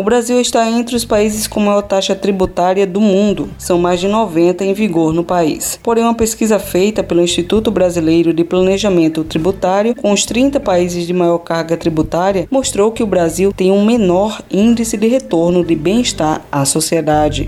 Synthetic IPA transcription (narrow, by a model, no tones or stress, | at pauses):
ʊbɾaziwɪʃt̪aẽnt̪ɾɪʊspaizɪskõmajɔɾt̪aʃɐt̪ɾibut̪aɾjɐd̪ʊmũnd̪ʊsɐ̃w̃majzd͡ʒɪnɔvẽnt̪ɐẽj̃viɡoɾnʊpaḭspoɾẽj̃ũmɐpeskizɐfejt̪ɐpelʊĩʃt̪it̪ut̪ʊbɾazilejɾʊd̪ɪplɐ̃neʒɐmẽnt̪ʊt̪ɾibut̪aɾjʊkõʊst̪ɾĩnt̪ɐpaizɪzd̪ɪmajɔɾkaɾɡɐt̪ɾibut̪aɾjɐmoʃt̪ɾowkɪʊbɾaziwt̪ẽj̃ũmenɔɾĩd̪isɪd̪ɪɦet̪oɾnʊd̪ɪbẽɪʃt̪aɾasosied̪ad͡ʒɪ̰